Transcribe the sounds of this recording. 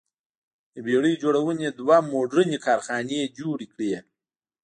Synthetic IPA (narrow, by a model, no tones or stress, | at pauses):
əbeɽəjd͡ʒoɽawəned̪wamoɖɾənekʰɑːɾxɑːned͡ʒoɽikɽe